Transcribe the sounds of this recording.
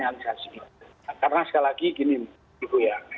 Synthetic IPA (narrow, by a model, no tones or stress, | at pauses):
nalisasiki | karnasə̥kalakikini | ikuja